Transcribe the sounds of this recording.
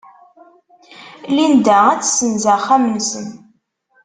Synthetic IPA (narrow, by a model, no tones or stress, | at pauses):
lind̪aʁat͡sːsənzaχamənsən